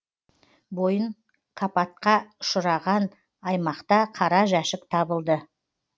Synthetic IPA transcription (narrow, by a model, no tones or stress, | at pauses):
bo̞jəɴ | kʰɑpɑt̪̚qɑʃʊɾɑʁɑn | ɑjmɑqt̪ɑqʰɑɾɑʒæʃɪk̚t̪ʰɑbəlˠd̪ə